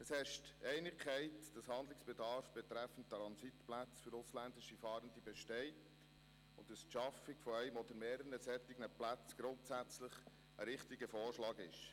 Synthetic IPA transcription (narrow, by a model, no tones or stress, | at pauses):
əshɛʃtɛɪnɪkʰχɛɪtd̥ɑshɑnd̪lɪksb̥ɛdɑɾfb̥ɛt̪ɾæfən̩ttɾɑnzitplæt͡sfʏɾʊslændɪʃifɑːɾəndibɛʃtɛɪt | ʊ̰ntːəsʃɑfɪɡ̥fɔɛɪmɔdəɾmɛːɾənəsɛt̪ɪɡnəplæt͡sɡ̥ɾʊntsæt͡sləχ | ʔəɾɪχtɪɡəfoːɾʃlɑːɡɪʃ